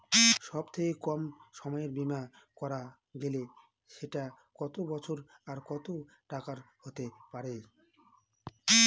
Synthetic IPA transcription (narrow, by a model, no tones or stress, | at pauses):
ʃɔbt̪ʰekekɔmʃɔmɔeɾbimakɔɾa | ɡele | ʃeʈa | kɔt̪obɔt͡ɕʰoɾaɾkɔt̪oʈakaɾhot̪epaɾe